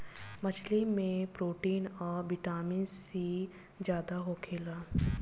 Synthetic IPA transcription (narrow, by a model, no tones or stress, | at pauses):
mət͡ʃʰlimẽpɾoːʈiːnɔːɾbɪʈaːmĩnsi | d͡ʒjaːd̪aɦoːkʰeːlaː